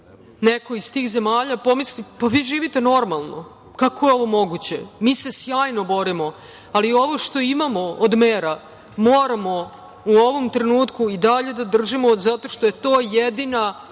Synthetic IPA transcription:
neko̞izt̪iːxze̞maːʎapo̞mislipaʋiːʒiːʋit̪e̞no̞ɾmalˠno̰ | kako̞jeo̞ʋo̞mo̞ɡut͡ɕemiːse̞sjaːjno̞bo̞ɾimo̞ | alio̞ʋoʃt̪o̞imamo̞od̪meːɾa | moːɾamo̞ | uo̞ʋomt̪ɾe̞nuːt̪kuid̪aʎe̞d̪ad̪r̩ʒimozat̪o̞ʃt̪o̞jet̪o̞ːjed̪ina

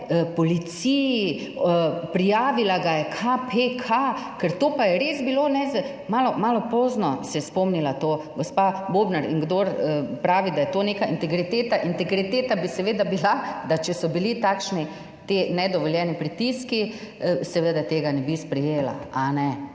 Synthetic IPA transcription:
pɔlit̪siji | pɾijaːʋilaɡajɛkʰapʰekʰakɛɾt̪oːpajɛɾezbiloːnɛz | maːlɔmaːlɔpɔznɔsɛjɛspɔmnilat̪oːɡɔspaboːbnaɾḭŋɡd̪oɾəpɾaːʋid̪ajɛt̪oːneːkaint̪ɛɡɾit̪eːt̪aʔint̪ɛɡɾit̪eːt̪abisɛʋed̪abilad̪at͡ʃɛsɔbilit̪aːkʃni | t̪enɛd̪ɔʋɔljɛnipɾit̪iskisɛʋed̪at̪eːɡanɛbispɾɛjeːla̰anɛ

